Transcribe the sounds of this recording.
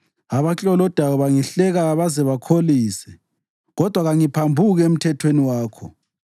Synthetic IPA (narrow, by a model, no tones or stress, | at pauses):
aβat͡ɬʼɔlɔd̥ʱawɔβaŋiɬɛɣaβazɛβakʰoliːsɛ | ɣɔd̥ʱwaɣaŋipʰambʱuɣem̩tʰɛtʰweniwaːkʰɔ̰